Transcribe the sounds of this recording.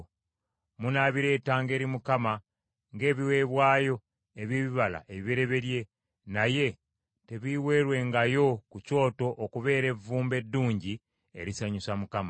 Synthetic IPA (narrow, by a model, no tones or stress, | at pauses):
munaβiɾe̞ːtaːŋɡe̞ːɾimukama | ŋɡe̞ːβiwe̞ːβwaːjo̞ | e̞βiβiβala̰ʔe̞βeɾe̞βe̞ɾje̞ | naje̞ | te̞βiwe̞ɾwe̞ŋɡajo̞kuco̞ːto̞ʔːkuβe̞ːɾe̞vuːmbe̞dːuːɲɟi | e̞̰ɾisaɲusamukama